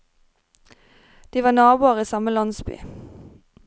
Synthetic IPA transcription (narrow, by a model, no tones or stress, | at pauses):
d̪̥iːʋɑːnɑːbuːɑʁiːsɑməlɑnsby̰ː